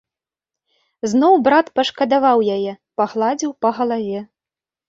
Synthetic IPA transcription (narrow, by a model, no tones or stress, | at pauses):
znɔwbɾat̪pɐʂkɐd̪avawjajɛ | paɣlˠad͡zʲiwpɐɣɐlˠavʲɛ